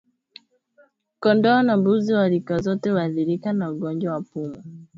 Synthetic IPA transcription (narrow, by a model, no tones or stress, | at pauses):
kɔndɔːnambuziwaɾikazɔtɛwaðiɾikanauɡɔɲd͡ʒwawapumu